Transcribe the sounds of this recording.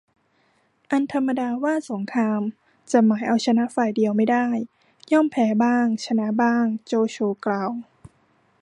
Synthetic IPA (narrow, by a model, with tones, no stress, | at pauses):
ʔa˧nt̪ʰa˧mːa˧daː˧waː˥˩so˩˦ŋkʰɾaː˧m | t͡ɕa˨˩maː˩˦jʔa˧wt͡ɕʰa˧na˦˥ʔfaː˨˩jdi˧əwma˥˩jdaː˥˩j | jɔ˥˩mpʰɛː˨˩˦baː˥˩ŋt͡ɕʰa˧na˦˥baː˥˩ŋt͡ɕoː˧t͡ɕʰoː˧klaː˧w